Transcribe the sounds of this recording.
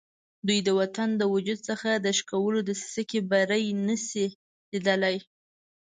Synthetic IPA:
d̪ujd̪əwat̪and̪əwʊd͡ʒud̪̚səxad̪əʃkawəlod̪əsi̥səkebaɾəjnəsi | lid̪əlaj

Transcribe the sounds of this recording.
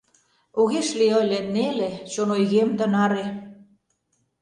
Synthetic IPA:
oɣeʃliəlʲenelet͡ɕonojɣemd̪ə̆nɑɾe

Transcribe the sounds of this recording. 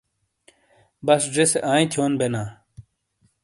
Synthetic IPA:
bɐsd͡ʑeseʔaːĩt̪ʰjoːnbenaː

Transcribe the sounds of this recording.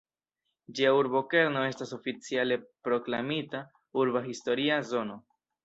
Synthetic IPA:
d͡ʒiauɾbo̞ke̞ɾno̞e̞staso̞fit͡siale̞pɾo̞klamita | uɾbaɦisto̞ɾiazo̞no̞

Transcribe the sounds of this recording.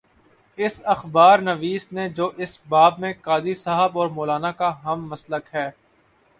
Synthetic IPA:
ɪsɐxbaːɾnɐʋiːsned͡ʒoːʔɪsbaːbmẽkaːzisaːɦəbɔːɾmoːlaːnakaɦɐmːɐsləkɦɛː

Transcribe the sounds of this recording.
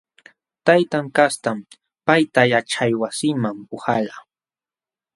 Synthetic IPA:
t̪ajt̪aŋkast̪am | pajt̪ajaʈ͡ʂajwasɪmampʊhaʎa

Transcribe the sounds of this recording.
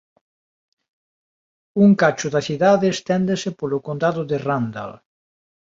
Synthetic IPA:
uŋkat͡ʃʊðaθiðaðeːst̪ɛnd̪esepolʊkond̪aðʊðerand̪a̰l

